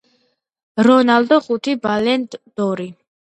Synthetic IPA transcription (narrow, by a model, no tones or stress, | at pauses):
ɾɔnald̪ɔχut̪ʰibalɛnd̪d̪̥ɔɾi